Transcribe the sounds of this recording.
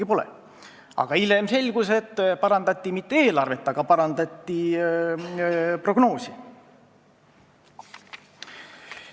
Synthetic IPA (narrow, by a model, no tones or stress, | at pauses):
ipo̞lḛ | ʔɑ̰ɡ̥ɑile̞mse̞lʲɡ̥use̞t̪ˑːpɑɾɑnd̪ɑt̪ʲːimit̪ːeeːlɑrve̞t̪ːˑɑɡ̥ɑpɑɾɑnd̪ɑt̪ʲːi | pro̞ɡ̥no̞ːsi